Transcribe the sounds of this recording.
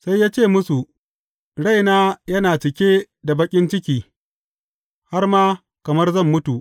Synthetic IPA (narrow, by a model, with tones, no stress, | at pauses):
sa˦jːaː˦t͡ʃeː˦˨mʊ˦su˨ʔ | ɽa˦˨jnaː˦jɐ˦naː˨t͡ʃɪ˨kʲeː˦ | da˨bɐ˦kʲʼɪ˦nt͡ʃɪ˦kʲiː˦ | ha˦rmaː˦ | kɐ˨mɐ˦rzɐ˦˨mːʊ˦tu˨ʔ